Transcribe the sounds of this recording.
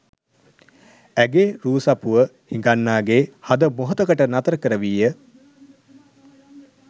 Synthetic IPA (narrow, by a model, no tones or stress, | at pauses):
æɡeːɾuːsɐpuʋəhiŋɡanːaːɡeːhad̪əmoɦot̪əkəʈənat̪əɾəkəɾəʋiːjə